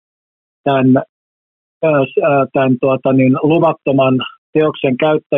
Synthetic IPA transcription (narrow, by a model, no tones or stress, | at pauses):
t̪æn | sːt̪ænt̪uɑt̪ɑninluʋɑt̪ːomɑnt̪eokseŋkæyt̪ːæ